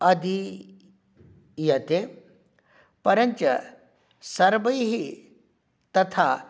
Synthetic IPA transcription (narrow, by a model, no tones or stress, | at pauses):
ɐd̪i | jɐt̪e | pɐɾənt͡ʃə | sɐɾbəjɦi | t̪ɐt̪ʰa